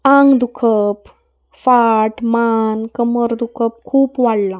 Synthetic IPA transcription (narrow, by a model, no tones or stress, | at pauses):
aŋɡd̪ukʰəp | faʈmankəməɾd̪ukʰəp̚kʰuːpʋaɽla